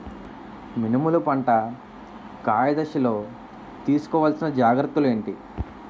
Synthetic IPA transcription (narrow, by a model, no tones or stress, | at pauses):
minimulupɐɳʈɐ | kaːjɐd̪ɐʃilo̞ː | t̪iːsu̥kɔːʋɐlsinɐd͡ʒaːɡɾɐt̪ːule̞ːɳʈi